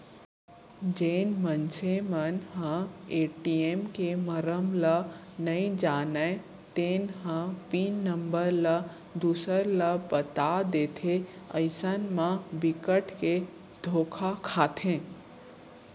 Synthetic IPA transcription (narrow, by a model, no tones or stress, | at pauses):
d͡ʒeːnmənt͡ʃʰemənɦãeːʈiemkeməɾəmlanɐĩd͡ʒaːnəe | t̪eːnhãpiːnːə̃mbəɾla | d̪uːsəɾlapət̪ad̪eːt̪ʰeəɪsənmãbɪkəʈʰke | d̪ʱoːkʰakʰaːt̪ʰẽː